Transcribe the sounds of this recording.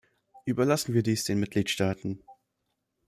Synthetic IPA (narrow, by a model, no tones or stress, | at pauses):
ʔyːbɐlasn̩viːɐdiːsd̥eːnmɪt̚ɡ̥liːtʃtaːtn̩